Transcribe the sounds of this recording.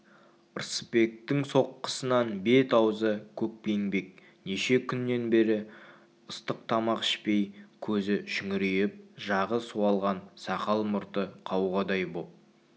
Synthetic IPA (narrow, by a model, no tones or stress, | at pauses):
əɾsə̥pe̞k̚t̪ɪŋso̞qːə̥sənɑnbe̞t̪ɑwzəkʲʰɵk̚peŋbe̞k̚ | neʃe̞kʲʰʏnːe̞nbe̞ɾɪ | ʊst̪əq̚t̪ʰɑmɑqɪ̥ʃpe̞jkʲʰɵzɪʃʏŋɪɾejɪp̚ʒɑʁəsuwɑlˠʁɑnsɑqɑlˠmʊɾt̪əqʰɑwʁɑd̪ɑjbop̚